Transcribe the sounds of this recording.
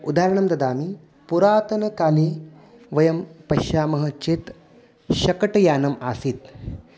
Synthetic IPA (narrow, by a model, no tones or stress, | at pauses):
ṵd̪aːɾɐɳ̃ɐmd̪ɐd̪aːmi | puɾaːt̪ɐnɐkaːliː | ʋɐjɐmpɐʃaːmɐɦɐ̆t͡ʃet̪ | ɕɐkɐʈɐjaːnɐmaːsiːt̪